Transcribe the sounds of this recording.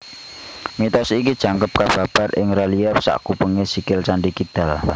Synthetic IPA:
mit̪ɔsikid̥ʒ̥a̤ŋkəp̚kab̥a̤b̥a̤ɾɪŋɾaliɛfsa̰ʔkupəŋesikɪlt͡ʃaɳɖikid̪̥a̤l

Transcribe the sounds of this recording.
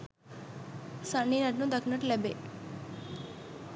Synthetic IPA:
səɳinəʈnũd̪əknəʈlebḛ

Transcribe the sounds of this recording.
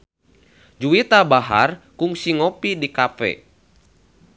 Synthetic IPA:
d͡ʒuit̪abaɦa̰rkuŋsiŋopidikapɛ̰

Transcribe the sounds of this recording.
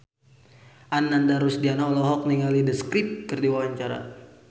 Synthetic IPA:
ʔanːandaɾusdianaɔlɔɦɔk̚niŋalidəskɾip̪̚kərdiwawaɲt͡ʃaɾa̰

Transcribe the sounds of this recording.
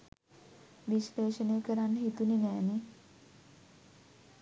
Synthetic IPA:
ʋisleːʃənəjəkəɾanːəɦit̪uninɛːni

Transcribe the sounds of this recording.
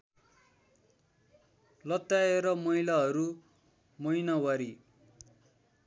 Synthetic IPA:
lʌt̪ːaeɾʌmʌijlaɦʌɾu | mʌjnʌwʌɾi

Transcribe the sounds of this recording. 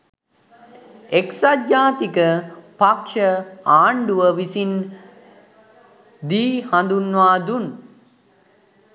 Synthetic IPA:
eksat̪ɲaːt̪ikəpakʃəaːɳɖuʋəʋisin | d̪iːhãnd̪unːʋaːd̪un

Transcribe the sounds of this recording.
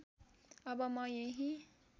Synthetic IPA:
ʌbʌmʌjeɦi

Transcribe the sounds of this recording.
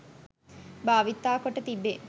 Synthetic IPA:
baːʋit̪ːaːkoʈːət̪ibːe

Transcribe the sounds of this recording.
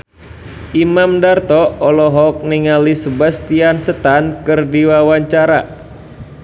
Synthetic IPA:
ʔimamdart̪ɔɔlɔɦɔk̚niŋalisəbast̪iansət̪ankɨrdiwawaɲt͡ʃaɾa

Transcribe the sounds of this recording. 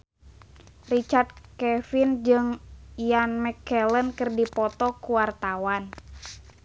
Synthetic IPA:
rit͡ʃard̪̚kɛfind͡ʒɨŋjanmɛkɛlənkɨrdipɔt̪ɔkuwart̪awan

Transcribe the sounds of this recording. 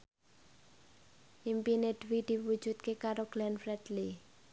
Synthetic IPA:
ʔimpined̪̥wid̪̥i̤wu̥d͡ʒ̥ṳt̪̚kekaɾoɡ̥lɛnfɾɛd̪li

